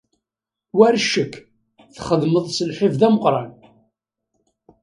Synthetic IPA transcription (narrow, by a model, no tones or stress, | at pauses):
wæɾʃəkː | θχəðməðˤsəlħivðæməqɾˤɑn